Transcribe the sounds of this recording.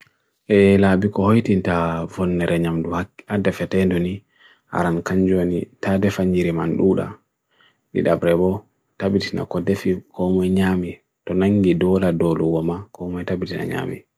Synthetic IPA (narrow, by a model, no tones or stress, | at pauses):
ʔɛlabikɔhojtintavɔnːɛɾɛɲamduhakːadafɛtɛndɔni | ha̰ɾankaɲd͡ʒonitadɛfaɲd͡ʒiɾimanɗuːɗa̰ | nḭɗabɾɛbɔ | tabitina̰kɔdefikɔmɔjɲami | tɔnaŋɡidɔladɔluwɔmakɔmɔjtabitina̰ɲa̰ːmḭ